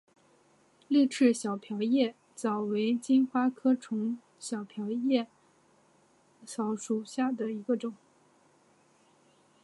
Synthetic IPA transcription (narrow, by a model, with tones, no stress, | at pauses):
li˥˧ʈ͡ʂʰɻ̩˥˩ɕjɑ˨˩ʊpʰjɑ˧˥ʊjɛ˥˩ | t͡sɑ˨˩ʊwe˧˥ɪt͡ɕi˥nxwa˥kʰɤ˥ʈ͡ʂʰʊ˧˥ŋ | ɕjɑ˨˩ʊpʰjɑ˧˥ʊjɛ˥˩ | ɕɑ˧˥ʊʂu˨˩ɕja˥˩d̪ə˩i˧˥ɡə˧ʈ͡ʂʊ˨˩˦ŋ